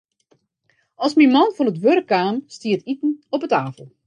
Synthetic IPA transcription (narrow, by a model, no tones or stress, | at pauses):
ɔlˠsmimɔnfɔnətʋørəkːaːmstiətitən̩ɔpətaːfəlˠ